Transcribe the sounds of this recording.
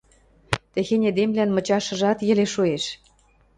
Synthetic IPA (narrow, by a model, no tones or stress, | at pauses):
t̪ĕxenʲed̪emlænmɤ̆t͡ɕɑʃɤ̆ʒɑt̪jɘ̆leʃueʃ